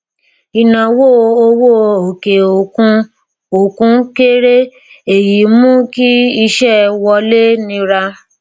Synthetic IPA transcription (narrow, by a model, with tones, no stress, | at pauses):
i˨nã˨wo˦˨o˧wo˦˨o˨ke˨o˨kũ˧ | o˨kũ˨˦ke˦ɾe˦ | e˨ji˨˦mũ˦ki˦i˧ʃɛ˦˨wɔ˧le˦nĩ˧ɾa˧